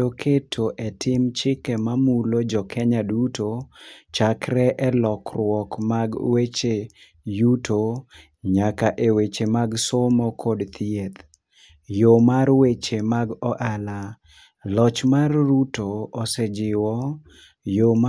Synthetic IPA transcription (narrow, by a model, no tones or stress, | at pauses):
okʰetʰoʔɛtʰɪmt͡ʃɪkɛmamulod͡ʒɔkʰɛɲadutot͡ʃakɾɛʔɛlɔkɾwɔkmaɡwet͡ʃe | jutʰo | ɲakaʔewet͡ʃemaɡsomɔkʰɔdt̪ʰɪet̪ | jomarwet͡ʃemaɡɔʔala | lɔt͡ʃmarːutoːsɛd͡ʒɪwɔ | jom